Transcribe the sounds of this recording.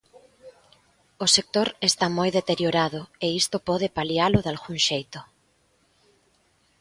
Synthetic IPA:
osek̚t̪oɾest̪amojðet̪eɾjoɾað̞ʊeist̪opɔð̞epaljalʊðalɣuŋʃejt̪ʊ

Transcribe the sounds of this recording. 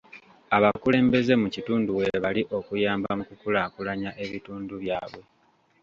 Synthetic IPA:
aβakule̞ːmbe̞ze̞mucituːnduwe̞βaliʔo̞kujaːmbamukukulakulaɲaʔe̞βituːnduβjaːβwe̞

